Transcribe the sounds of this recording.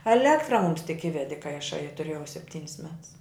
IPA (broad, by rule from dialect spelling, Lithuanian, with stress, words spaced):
ɛˈlʲæːktrɐ mʊms tʲɪk ˈɪʋʲɛdʲɪ kɐɪ ɐˈʃɐɪ ɐ tʊˈrʲeːjɛʊ sʲɛpʲˈtʲiːnʲɪs mʲɛts